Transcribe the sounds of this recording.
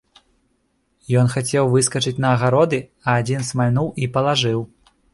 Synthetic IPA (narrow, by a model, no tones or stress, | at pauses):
jɔnxat͡sʲɛwvɨskɐt͡ʂɨt͡sʲnɐːɣaɾɔd̪ɨ | ɐːd͡zʲinsmalʲnuwʔipɐlˠaʐɨw